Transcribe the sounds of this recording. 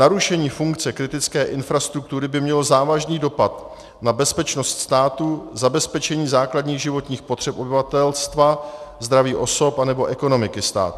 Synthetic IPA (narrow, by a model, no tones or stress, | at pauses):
naɾuʃɛɲiːfuŋkt͡sɛkɾɪt̪ɪt͡skɛːʔɪnfɾast̪ɾuk̚t̪uɾɪbɪmɲɛlozaːvaʒniːdo̞pat̪ | nabɛspɛt͡ʃno̞st̪st̪aːt̪uzabɛspɛt͡ʃɛɲiːzaːkladɲiːɣʒɪvo̞t̪ɲiːxpo̞t̪r̥ɛpʔo̞bɪvat̪ɛlst̪vazd̪ɾaviːʔo̞so̞panɛbo̞ʔɛko̞no̞mɪkɪst̪a̰ːt̪